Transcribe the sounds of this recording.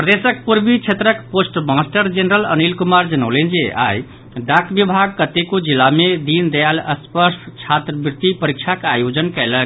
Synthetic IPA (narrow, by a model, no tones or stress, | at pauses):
prəd̪esək̚puɾbit͡ʃʰet̪ɾəkposʈmãsʈəɾd͡ʒenɾələ̰nilkumaɾd͡ʒənəwlend͡zeʔa̰j | ɖakbibʱaɡ̚kət̪ekod͡ʒilːamed̪ind̪ejaləspəsʈt͡ʃʰat̪ɾəbrit̪ipəɾik̚t͡ʃʰakajod͡zənkɛlək